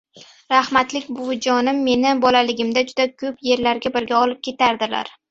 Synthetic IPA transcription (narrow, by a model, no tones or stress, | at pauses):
ɾahmat̪lɪkʲbʊd͡ʒɒnɪmːe̞nɪbɒlalɪɡʲɪmd̪ad͡ʒʊd̪akʲʰɵpje̞ɾlaɾɡʲabɪɾɡʲaɒlɪp̚kʲʰe̞t̪ʰaɾd̪ɪla̰ɾ